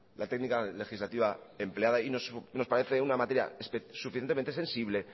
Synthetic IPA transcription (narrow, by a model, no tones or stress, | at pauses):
lat̪e̞ɡnikalexizlat̪iβae̞mpleaðainosno̞spaɾe̞θe̞unamat̪e̞ɾja̰ssufiθenement̪ee̞nsiβle̞